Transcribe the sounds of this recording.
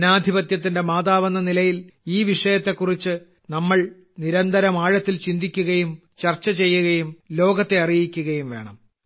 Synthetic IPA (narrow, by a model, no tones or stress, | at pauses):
naːd̪ʱibɐt̪jɐt̪̬ːinde̞maːðaːʋɐnːɐnilɐjiliːʋiʂɐjɐt̪ːe̞kːurit͡ɕːɨ | nɐmːɐɭ | niɾɐnd̪ɐɾɐmaːɻɐt̪ːilt͡ɕind̪ikʲːuɣɐjum | t͡ɕɐrt͡ɕːɐt͡ɕe̞jːuɣɐjumlo̞ːɡɐt̪ːe̞ɐrijikʲːuɣɐjumʋe̞̰ːɳɐm